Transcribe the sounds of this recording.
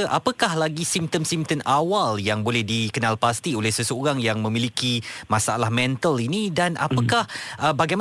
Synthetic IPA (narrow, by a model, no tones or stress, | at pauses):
ʔapakahlaɡisimp̚t̪əmsimt̪ənawaljaŋbolɛhdikənalpast̪iolɛhsəsooɾaŋjaŋmə̃milikimasaa̰lahmɛ̃nt̪əlinidana̰pakahəbaɡajm